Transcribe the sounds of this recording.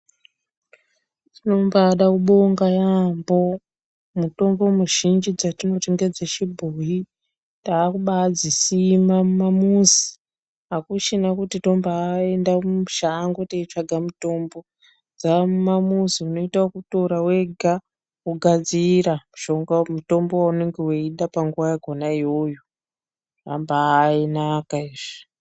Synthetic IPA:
tino̞mbaɗakuɓo̞ŋɡajambo̞ | muto̞mbomuʒind͡ʒid͡zatino̞t͡ʃeŋɡed͡zaʃibʱuji | taːkuɓad͡zisimamumamuzi̥ | akuʃinakutito̞mbae̞ndauʃaŋɡoteit͡ʂaɡʱamuto̞mbo̞ | d͡zamumamuziuno̞itaokuto̞ɾaweɡʱa | uɡʱad͡ziɾamuʃo̞ŋɡamuto̞mbo̞wauneŋɡeweiɗapaŋɡuwajaɡʱo̞naiwojo | a̰mbaːinakaiʐ̥i̥

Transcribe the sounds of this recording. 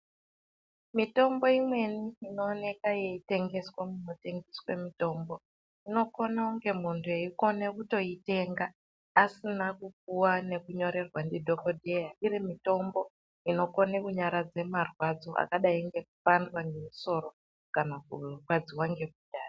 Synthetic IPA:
mito̞mbo̞imwe̞niːno̞ːne̞kaje̞ite̞ŋɡe̞swamuno̞te̞ŋɡiswemito̞ːmbo̞ | ino̞ko̞nauŋɡe̞muntʰueiko̞ne̞kuto̞ite̞ŋɡaː | sinakupuwane̞kuɲo̞ɾe̞rwandidʱo̞kodʱe̞jaiɾimito̞mbo̞ | ino̞ko̞nekuɲaɾad͡ze̞marwad͡zo̞ʔa̰kaɗaiŋɡe̞k̚upandwanemiso̞ɾo̞ | kanakurwad͡ziwaŋɡe̞b̚udaːra

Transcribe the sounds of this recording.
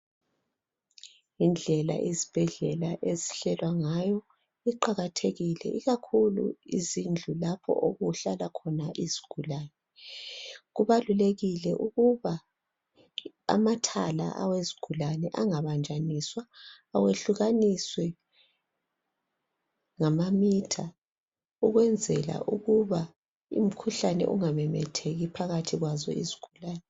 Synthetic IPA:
ind͡ɮʱɛla̰ʔizib̥ʱɛɮɛlaʔeziɬɛlwaŋajɔ | iǃaɣatʰeɣilɛ̰ʔiɣakʰulṵḭzind͡ɮʱulapʰɔ̰ʔoɣuɬalakʰɔnaʔiziɡ̥ʱulaːnɛ | ɣuβaluleɣilɛʔuɣuβa | a̰matʰala̰ʔa̰weziɡ̥ʱulanɛʔaŋaβand͡ʒʱaniswaː | weɬuɣaniswɛ | ŋamamitʰa | uɣwɛnd͡zʱɛla̰ʔuɣuβa | ṵm̩kʰuɬanɛ̰ʔuŋamɛmɛtʰeɣipʰaɣatʰiɣwazɔ̰ḭziɡ̥ʱulaːnɛ

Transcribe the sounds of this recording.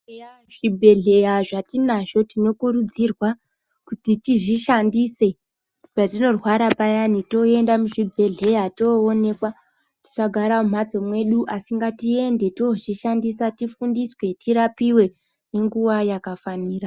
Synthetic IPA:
a | ʐibʱe̞ɮe̞jaʐatinaʐo̞tino̞kuɾud͡zirwa | kutitiʐiʃandise̞ | patino̞rwaɾapajanito̞e̞ndamuʐibʱe̞ɮe̞jatoːne̞kwa | ti̥t͡ʃaɡʱaɾaum̤ad͡zomwe̞ɗuʔasiŋɡatie̞nde̞toʐiʃandisatifundiswe̞tiɾapiwe̞ | ne̞ŋɡuʋajakafaniːra

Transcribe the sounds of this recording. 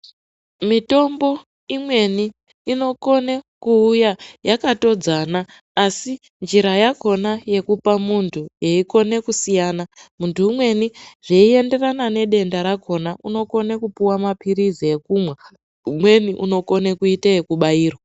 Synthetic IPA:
mito̞mbo̞ | imwe̞niː | no̞ko̞nekuːjajakato̞d͡zanaː | si | nd͡ʒiɾajako̞naje̞kupamuntʰujeiko̞ne̞kusijaːnamuntuːmwe̞niʐeie̞nde̞ranane̞ɗe̞ndaɾakʰo̞naʔuno̞ko̞nekupuwamapʰiɾizie̞kumwa | umwe̞niʔṵno̞ko̞nekuitaje̞kuɓaiːrwa

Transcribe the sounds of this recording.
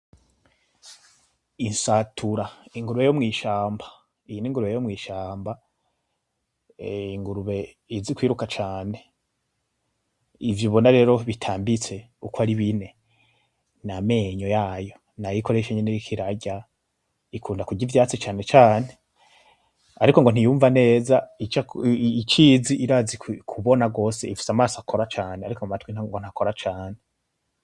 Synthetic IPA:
insatʰuɾaiŋɡuɾuβe̞jomŋiːʃaːmbḁ | ijiniŋɡuɾuβejomŋiːʃaːmba | iŋɡuɾuβe̞ | izikwiːɾukat͡ʃaːne̞ | ivjoβo̞naɾe̞ːɾo̞βitʰaːmbit͡se̞ | ukwaɾiβine̞ | name̞ɲo̞jaːjo̞ | najiko̞ɾe̞ʃeɲeneikʰiɾaɟa | ikʰuːndakuɟivjaːt͡sit͡ʃaːne̞t͡ʃaːne̞ | aɾikoŋɡo̞n̥ijuːɱvane̞ːzait͡ʃait͡ʃiziʔiɾazikʰuβo̞naɡo̞ːseifi̥samaːsoakʰo̞ɾat͡ʃaːneaɾikomumatwin̥haŋɡon̥hakoɾat͡ʃaːne

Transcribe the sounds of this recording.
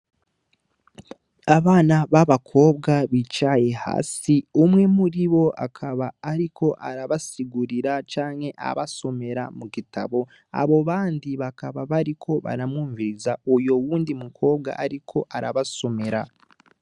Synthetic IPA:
aβaːnaβaβakʰo̞ːbɡaβit͡ʃaje̞ha̰ːsiumŋe̞muɾiβo̞akʰaβaːɾikʰo̞ʔaɾaβasiɡuɾiɾat͡ʃaːŋhe̞ʔa̰βaso̞me̞ɾa̰muɡita̰βo̞ | a̰βo̞βaːndiβakaβaβaɾikʰo̞βa̰ɾamŋuːɱviɾizaujo̞wuːndimukʰo̞ːbɡa̰ʔaɾikʰo̞ʔaɾaβaso̞me̞ɾa

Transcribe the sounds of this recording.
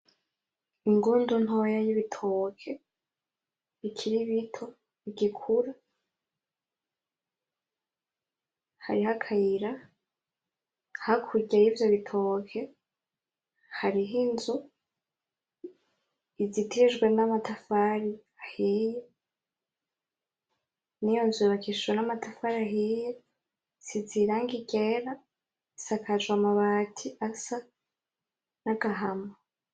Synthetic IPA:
iŋɡuːndun̥ho̞jajiβitʰokʰe̞ | ikʰiɾiβitʰo̞ | iɟikʰuɾa | ha̰ɾiɦakʰajiɾa | hakʰuɾɟajivjo̞βitʰokʰe̞ | haɾiɦinzu | izitʰiʒɡwe̞namatʰafaɾi | ahije | nijo̞nzuβakʰiʃwenamatafaɾiaɦije | siziɾaːŋɡiɟeɾa | isakʰad͡ʒɡwamaβaːtʰiʔasa | naɡaɦama

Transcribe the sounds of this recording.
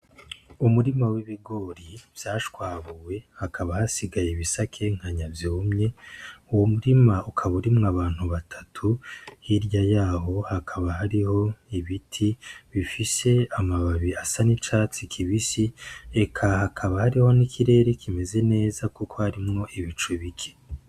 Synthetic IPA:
umuɾimawiβiɡo̞ɾivjaːʃkwaːβuwe̞hakʰaβahasiɡajeβisakʰe̞ŋ̥haɲavjoːmɲe̞uwomuɾimaukʰaβuɾimŋaβaːn̥huβatʰatʰuhiɾjajaːɦo̞hakʰaβaɦaɾiho̞iβitʰiβifise̞amaβaβiasanit͡ʃaːt͡sikʰiβisie̞kʰahakʰaβahaɾiho̞nikʰiɾe̞ːɾe̞kʰime̞ze̞ne̞ːzakukʰo̞haɾimŋo̞ʔiβit͡ʃuβikʰe̥

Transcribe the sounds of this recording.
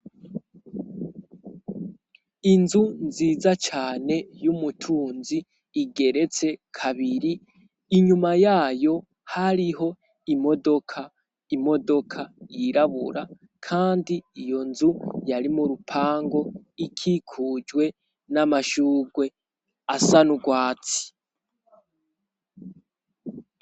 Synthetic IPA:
inzunziːzat͡ʃaːne̞jumutʰuːnziː | ɡe̞ɾe̞t͡se̞kʰaβiɾiː | ɲumajaːjo̞ | haɾiɦo̞ | imo̞do̞kʰa | imo̞do̞kʰajiɾaβṵɾa | kʰaːndiijo̞nzujaɾimuɾupʰaːŋɡo̞ | ikʰikʰud͡ʒwe̞ | namaʃuːɡwe̞ | asanuɡwaːt͡si̥

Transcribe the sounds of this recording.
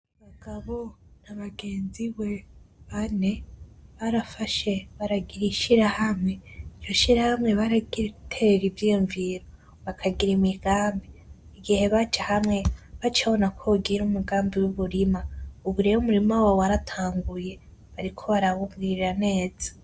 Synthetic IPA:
βaɡ̥aβo̞n̥aβaɡe̞ːnziwe̞βane̞βaɾafaʃe̞βaɾaɡiɾiʃiɾahamŋe̞ijoʃiɾahamŋe̞βaɾaɡiɾekutʰeɾivjijuɱviɾo | βakʰaɡiɾimiɡ̥aːmbi | iɡihe̞βat͡ʃahamŋe̞βat͡ʃaβo̞nakʰoɡiɾumuɡaːmbiwuβuɾimauβuɾejumuɾimawawaɾatʰaːŋɡuje̞ | βaɾikʰo̞βaɾaβuvɡiɾane̞ːd͡zḁ

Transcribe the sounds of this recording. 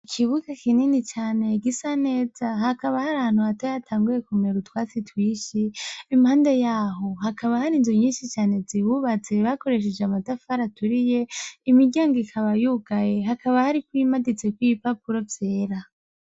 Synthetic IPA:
ikʰiβuɡakininit͡ʃaːne̞ɡisane̞ːz̥aɦakaβahaɾaan̥huhatajatʰaːŋɡuje̞kumeɾutwaːt͡sitwiːʃiːmhaːnde̞jaːɦo̞hakaβahaɾizjoɲiːnʃit͡ʃaːne̞zihuβat͡se̞βako̞ɾe̞ʃ̬ed͡ʒeamatafaɾatuɾije̞imiɟaːŋɡikʰaβajuɡaje̞ɦakʰaβahaɾikwimadit͡se̞kwiipapuɾo̞vje̞ːɾa

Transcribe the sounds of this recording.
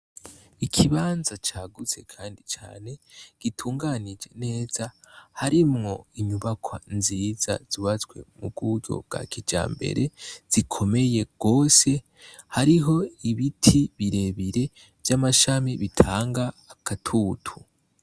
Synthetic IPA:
ikʰiβaːnzat͡ʃaːɡut͡se̞kʰaːndit͡ʃa̰ːne̞ɡ̥itʰuːŋɡanid͡ʒe̞̰ne̞ːz̥ahaɾimŋo̞iɲuβakʰwanziːza̰z̥uβat͡swe̞̰mubɡuɟo̞̰b̚ɡ̥a̰kid͡ʒa̰ːmbḛɾe̞z̥ikʰo̞me̞je̞ɡ̥o̞ːse̞ | haɾiɦo̞iβitʰiβiɾe̞βiɾe̞ | vjamaʃamiβitʰaːŋɡaːkatʰuːtʰu

